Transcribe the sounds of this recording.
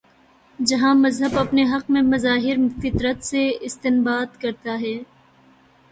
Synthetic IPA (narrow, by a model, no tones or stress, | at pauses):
d͡ʒɐɦãmɐzɦəbɐpneɦɐq̚mẽmɐzaːɦɪɾfɪt̪ɾət̪seɪst̪ɪnbaːd̪kɐɾt̪aɦɛː